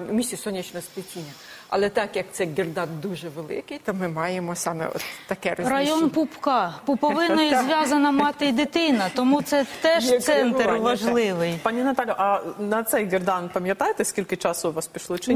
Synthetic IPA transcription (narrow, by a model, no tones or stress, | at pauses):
mʲisʲisɔnʲɛt͡ʃnɔsp̪ɪtʲinʲɐ | ɐ̰lˠɛt̪ɑkjɐk̚t̪sɛɡʲerd̪ɑnd̪uʒɛʋelˠɪ̰kɪjt̪ɔmɪmɑjemɔsɑmɛ̰ɔ̰t̪ːɐkɛɾɔrɐjonpupkɑpupɔʋɪnɔjzʲʋʲjazɐnɐmɑt̪ɪjd̪ɪt̪ɪnɐt̪ɔmut̪sɛt̪ɛʃsɛnt̪ɾʋɐʒlˠɪʋɪjpɑnʲinɐt̪ɑlʲjʊʔɐnɐt̪sɛjɡʲerd̪ɑnpɐmʲjɐt̪ɑjɪt̪ɛsʲkʲilʲkɪt͡ʃɑsʊʋɑspʲiʃlˠɔt͡ʃɪ